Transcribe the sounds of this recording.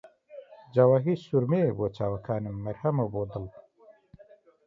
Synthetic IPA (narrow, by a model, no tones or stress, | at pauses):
d͡ʒawaɦisuɾmebot͡ʃaːwɐkʰaːnimːɐɾhɐmɐbod̪əl